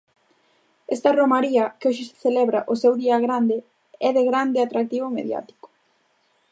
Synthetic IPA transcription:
ɛst̪ɐromaɾiɐkoʃɪsθelɛβɾaʔʊsɛwðiɐɣɾand̪ɪ | ɛðeɣɾand̪ɪat̪ɾak̚t̪iβomḛðja̰t̪i̥kʊ̥

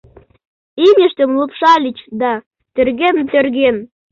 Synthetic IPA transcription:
imʲəʃt̪ə̆mlupʃɑlʲit͡ɕd̪ɑ | t̪ø̆rɣent̪ørɣen

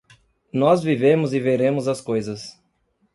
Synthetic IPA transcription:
nɔzvivẽmʊzɪveɾẽmʊzɐskojzɐs

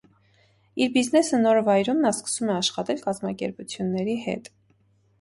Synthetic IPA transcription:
iɾbiznɛsənɔɾvɑjɾumnɑskə̥sumɛɑʃχɑt̪ɛlkɑzmɑkɛ̰ɾput͡sʰjunːɛɾihɛ̰t̪

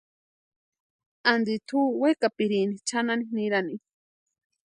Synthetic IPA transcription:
and̪it̪ʰuwekapiɾinit͡ʃananiniɾani

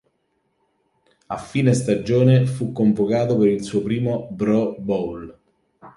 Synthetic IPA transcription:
afːiːnest̪ad͡ʒoːnefukːoɱvokaːt̪opeɾilsuːopɾiːmobɾɔbɔl

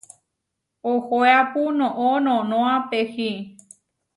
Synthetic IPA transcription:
ohoeapunõʔõnõnõãpehi

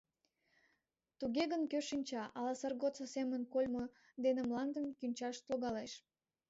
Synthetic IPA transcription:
t̪uɣʲeɣənkøʃinʲt͡ɕɑʔɑlɑsərɣot͡səsemənkolʲmo | d̪enəmlˠɑnd̪ənkynʲt͡ɕɑʃt̪loɣɑleʃ

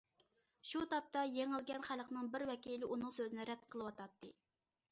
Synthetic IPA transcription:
ʃut̪ɑp̚t̪ɑjeŋɪlˠɡʲɛnχælˠəqnɨŋbɪɾwɛkʲilɪʔunɨŋsøzɪnɪɾɛd̪̥̚qʰəlˠɨwɑt̪ʰɑt̪ːɨ

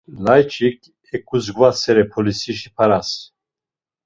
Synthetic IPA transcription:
lajt͡ʃʼikʰʼ | ɛkʼuzɡvasɛɾɛpʰɔlisiʃipʰaɾas

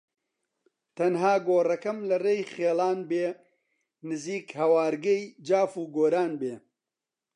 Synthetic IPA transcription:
t̪ɐnɦaːɡoːrɐkɐmlɐreːjχeːlaːnbeː | nɨziːkhɐwaːɾɡɐjd͡ʒaːfuːɡoːɾaːnbeː

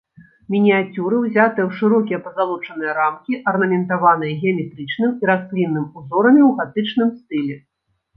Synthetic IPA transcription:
mʲinʲijat͡sʲuɾɨwzʲat̪ɨjɛwʂɨɾɔkʲijɛpɐzalˠut͡ʂɐnɨjɐɾamkʲiʔɐrnɐmʲɛnt̪avan̪ɨjɐɣʲɛɐmʲɛt̪ɾɨt͡ʂnɨmiɾaslʲinːɨmuzɔɾɐmʲiwɣat̪ɨt͡ʂnɨmst̪ɨlʲɛ

